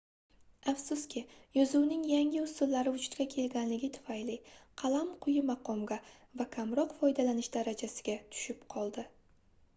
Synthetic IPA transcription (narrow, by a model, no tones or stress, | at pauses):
afsʊskʲʰɪjɒzʊwnɪŋjaŋɡʲɪʊst̪ʊlːaɾɪʊt͡ʃʰʊ̥t̪kʲakʲʰe̞lɡʲanlɪɡʲɪt̪ʰʊ̥fajlɪqʰɑlˠamqʰʊjɪmɑqʰɒmɡʲa | vakʲʰamɾɒqfɒjd̪alanɪʃd̪̥aɾad͡ʒasɪɡʲat̪ʰʊ̥ʃɪpqʰɒlˠd̪ɪ